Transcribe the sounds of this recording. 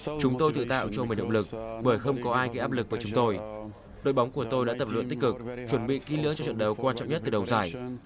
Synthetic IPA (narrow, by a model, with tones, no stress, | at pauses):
t͡ɕʊ˨˦ŋ͡mt̪o˧jt̪ɨ̰˧˨t̪a̰ː˧˨wt͡ɕɔ˧mi˨˩nɗ̰ə̰˧˨ŋ͡mlɨ˨˩k̚ɓəː˧˩jxə˧wŋ͡mkɔ˨˦ʔaː˧jkaː˨˦ʔaː˦˥p̚lɨ˨˩k̚vəː˧˩t͡ɕʊ˨˦ŋ͡mt̪o˧j | ɗo̰˧˨jɓa˨˦wŋ͡mku˧˩ət̪o˧jɗa̰ː˧˥t̪ə˨˩p̚lə̰˧˨nt̪k̟̚kɨ˨˩k̚t͡ɕwə˧˩nɓḭ˧˨ki˨˦lɨ̰˧˥ət͡ɕɔ˧t͡ɕwə̰˧˨nɗə˨˩wkwaː˧nt͡ɕɔ̰˧˨ŋ͡mɲə˦˥t̚t̪ɨ˨˩ɗə˨˩wzaː˧˩j